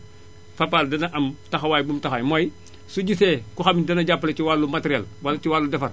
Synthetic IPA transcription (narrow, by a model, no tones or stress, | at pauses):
fapaldɐnaʔɐmtaxawaːjbumtaxajmoj | suɟisekuxamindɐnɐɟapːalet͡ʃiwalːumateɾiɛlwalt͡ʃiwalːudɛfɐr